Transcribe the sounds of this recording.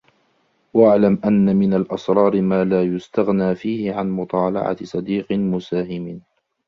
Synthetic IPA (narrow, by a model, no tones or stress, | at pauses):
waʔaʕlamʔanːamɪnalʔɑsˤɾˤɑːɾmaːlaːjʊst̪aɣnaːfiːhɪʕanmʊt̪ˤɑːlɑ̰ʕa̰sˤɑd̪iːqmʊsaːhɪmɪ